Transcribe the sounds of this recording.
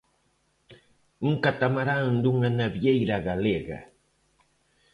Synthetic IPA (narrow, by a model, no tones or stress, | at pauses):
ŋkat̪amaɾaŋd̪ʊŋanabjajɾaɢaleɢɑ̰